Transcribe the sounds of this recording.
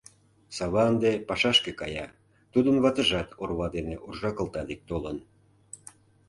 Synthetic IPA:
sɑβɑənd̪epɑʃɑʃkekɑjɑ | t̪ud̪ənβɑt̪ə̆ʒɑt̪orβɑd̪eneʔurʒɑkəlt̪ɑd̪ik̚t̪olən

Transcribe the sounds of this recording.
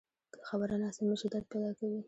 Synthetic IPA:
kə̥xabaɾanɑsɪməʃid̪ɑd̪̚pajd̪ɑkawi

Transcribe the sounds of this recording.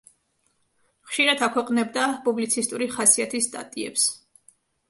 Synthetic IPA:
χʃiɾad̪akʰwɛqʼnɛb̚d̪apʼublit̪sʰist̪ʼuɾiχasiat̪ʰisːt̪ʼa̰t̪ʼiɛ̰ps

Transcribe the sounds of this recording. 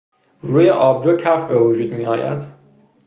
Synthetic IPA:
ruːjeʔɒːb̚d͡ʒocʰæfbe̞vod͡ʒuːd̪miɒːjæ̰d̪̥

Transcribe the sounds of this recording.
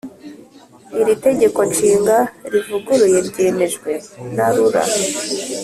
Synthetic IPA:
iɾite̞ɟe̞ko̞nt͡ʃiːŋɡaɾivuɡuɾujeɾɟe̞ne̞ʒɡwe̞naɾuɾa̰

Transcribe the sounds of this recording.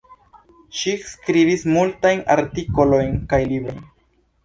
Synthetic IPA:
ʃiskɾibismultajna̰ɾtiko̞lo̞jnkajlibɾo̞̰jn

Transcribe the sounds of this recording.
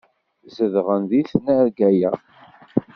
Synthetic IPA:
zəðʁənðiθnæɾɡæjæ

